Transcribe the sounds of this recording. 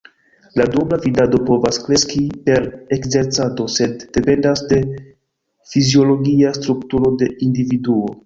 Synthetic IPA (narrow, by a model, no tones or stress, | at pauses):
ladublavidado̞po̞vaskɾe̞skipe̞ɾekze̞ɾt͡sado̞se̞dːe̞pe̞ndasde̞ | fizio̞lo̞ɡiastɾuktuɾo̞de̞ʔindividuo̞